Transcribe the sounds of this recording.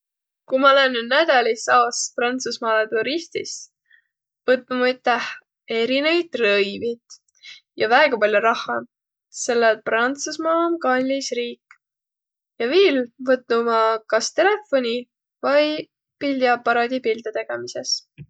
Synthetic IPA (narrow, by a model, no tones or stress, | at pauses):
kumɑolenːyd̪næd̪̥ɑlʲisɑːsprɑnt̪susmɑːlet̪uɾist̪is | vɤt̪ːˑumɑjt̪ːˑæh | e̞ɾinejd̪rɤjvit̪ | jɑvæeɡ̥ɑpɑlʲjoɾɑhːɑ | se̞lːelprɑnt̪susmɑːmkɑlʲːisriːkːˑ | jɑviːlvɤt̪numɑkɑst̪e̞le̞fo̞nʲi | vɑj | pilʲd̪iɑpːɑɾɑːd̪̥ʲipild̪ɑt̪e̞ɡ̥emise̞s